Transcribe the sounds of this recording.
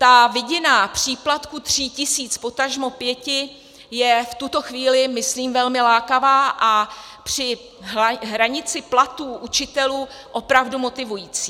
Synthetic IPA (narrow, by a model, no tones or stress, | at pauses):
t̪avɪɟɪnapr̝̥iːplat̪kut̪r̝̥iːcɪsiːt͡spo̞t̪aʒmo̞pjɛcɪ | jɛft̪ut̪o̞xviːlɪmɪsliːmvɛlmɪlaːkavaːʔa | pr̝̥ɪ | ɦaɦɾaɲɪt͡sɪplat̪uːʔut͡ʃɪt̪ɛluːʔo̞pɾavdumo̞t̪ɪvujiːt͡siː